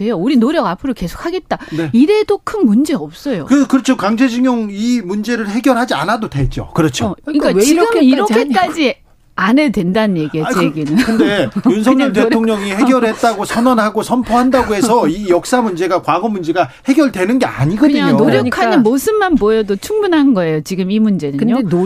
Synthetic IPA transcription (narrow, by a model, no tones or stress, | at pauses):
de̞jouɾinoɾjʌɡapʰɯɾoke̞sʰo̥kʰaɡe̞t̚t͈aneiɾe̞dokʰɯnmund͡ʑe̞ʌp̚s͈ʌjo̰kɯkɯɾʌt͡ɕʰokaŋd͡ʑʰed͡ʑʰiŋjoŋimund͡ʑe̞ɾɯɭɦe̞ɡjʌɭɦad͡ʑia̰nadodet͡ɕ͈o̰kɯɾʌt͡ɕʰoiŋk͈aiɡɯmiɾʌkʰek͈ad͡ʑi | anedwe̞ndanɯnje̞ɡieeeɡinɯnkɯndejunsʰʌŋɲɲʌmt̬eoŋɲʌŋihe̞ɡjʌɾɦe̞t̚t͈aɡosʰʌnwanhaɡosʰʌmpʰʌɦandaɡoɦes̬ʰʌijʌk̚s͈amund͡ʑe̞ɡakwaɡʌmund͡ʑe̞ɡahe̞ɡjʌɭdwe̞nɯnɡe̞a̰ɲiɡʌkɯɲaɲŋonoɾjʌkʰaɲinmosʰɯnːanbojʌdot͡ɕʰuŋbunɦannɡʌe̞jot͡ɕiɡɯmimund͡ʑe̞dɯɲɲo